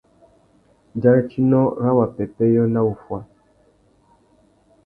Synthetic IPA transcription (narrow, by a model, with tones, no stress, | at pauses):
d͡ʒa˦ɾɛ˦t͡ʃi˦nɔ˦ɣa˦wa˨pɛ˨pɛ˦jɔ˦na˦u˨fwa˦